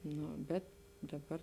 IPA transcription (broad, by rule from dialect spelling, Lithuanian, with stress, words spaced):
ˈnoː ˈbʲɛt dɐˈbɐr